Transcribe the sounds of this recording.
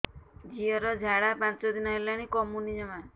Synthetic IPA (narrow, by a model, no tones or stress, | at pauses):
d͡ʒiɔɾɔd͡ʒʱaɽapãnt͡ʃɔd̪inɔɦelaɽ̃ikɔmunid͡ʒɔma